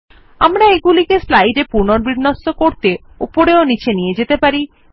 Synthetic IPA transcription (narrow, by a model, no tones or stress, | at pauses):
amɾaeɡulikeslajɖepuɾnoɾbɾiɾnosːokoɾt̪e | opoɾeonit͡ɕenijed͡ʑet̪epaɾi